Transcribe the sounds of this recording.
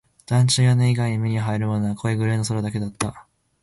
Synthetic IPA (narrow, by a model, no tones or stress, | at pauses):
d̪̥ãɲt͡ɕɨːjoneiɡaiɲ̟imʲiɲ̟iɦaiɾɯ̟mo̞noakʰo̞eɡɯ̟ɾenoso̞ɾod̪ake̞d̪at̪ːa